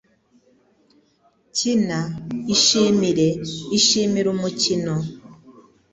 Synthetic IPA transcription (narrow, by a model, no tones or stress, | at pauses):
cinaiʃimiɾe̞iʃiːmiɾumucino